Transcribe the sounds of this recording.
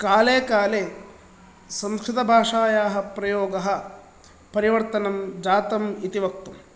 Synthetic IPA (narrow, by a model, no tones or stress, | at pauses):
kaːleːkaːleː | sɐmskɾit̪ɐbʱaːʂaːjaːɦɐ̆pɾɐjɔːɡɐɦɐ̆ | pɐɾiʋɐɾt̪ɐnɐmd͡ʒaːt̪ɐmit̪iʋɐk̚t̪um